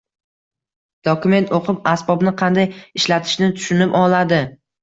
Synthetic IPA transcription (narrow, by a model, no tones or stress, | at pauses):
d̪̥ɒkʊme̞nt̪ʰoqʰɨpasbɒbnɪqʰɑnd̪ajɪʃlat̪ʰɪ̥ʃnɪt̪ʰʊ̥ʃʊnɪpɒlˠad̪ɪ